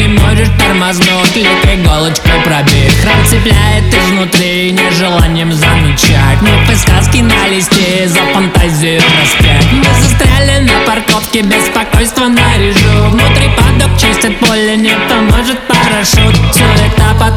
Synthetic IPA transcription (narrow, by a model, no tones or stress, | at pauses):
ɪmoʐɪʂt̪ərmaznotʲlʲɪt̪ɾɪɡolˠət͡ɕkəjpɾɐbʲexɾɐt̪sɨplʲæjɪt̪ɪsvnʊt̪ɾʲi | nʲɪʐɨlˠanʲɪjəmzəmʲɪt͡ɕætʲnpɨskaskʲɪnalʲɪsʲtʲɪzəfənt̪azʲinəsʲtʲɪnɪzɨst̪ɾʲalʲɪnəpɐrko̞fkʲɪbʲɪspɐkojst̪vənəɾʲɪʐuvnʊt̪ɾʲipad̪əkt͡ɕisʲtʲɪt̪̚polʲːɪnʲekt̪əmoʐɨt̪pəɾɐʂot̪fsʲoɛt̪əpɐ